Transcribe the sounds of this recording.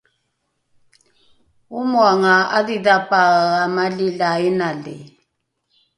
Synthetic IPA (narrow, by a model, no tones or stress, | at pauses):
umwaŋaaðiðapʼaɣamalilaɛnalɛ